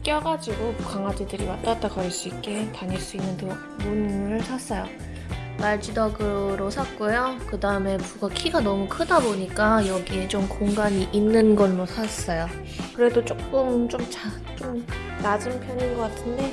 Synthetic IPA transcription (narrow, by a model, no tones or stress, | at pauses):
k͈jʌɡad͡ʑiɡokaŋad͡ʑidɯɾimat͈at͈aɡaɾɯɭs͈uik͈̚e̞taɲiɭs͈uinːɯnto | munɾɯɭsʰas͈ʌjo | maɭd͡ʑidʌɡɯɾosʰak͈ojokɯdaɯme̞buɡakʰiɡanʌmukʰɯdaboɲik͈ajʌɡiet͡ɕ͈omkoŋɡaɲiʔinːɯnɡʌnɾosʰas͈ʌjo | kɯɾe̞dot͡ɕ͈ok͈ɯmt͡ɕomt͡ɕa | t͡ɕ͈om | nad͡ʑɯmpʰjʌɲinɡʌk͈atʰɯnde̞